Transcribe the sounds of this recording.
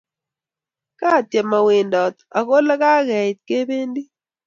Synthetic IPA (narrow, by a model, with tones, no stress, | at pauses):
ka˦˨tjɛ˨ma˨we˨ndɔ˨t̪a̰˨ko˦la˦ka˦ɣɛ˨t̪̚ke˦be˦ndi˦